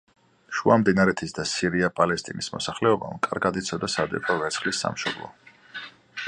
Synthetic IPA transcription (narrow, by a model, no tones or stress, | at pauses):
ʃuamd̪inaɾɛt̪ʰisd̪asiɾiapʼalɛst̪ʼinismɔ̰saχlɛɔba̰mkʼaɾɡad̪it̪sʰɔd̪asad̪ɛ̰pʰɔvɛt̪sʰχlisːa̰mʃɔblˠɔ̰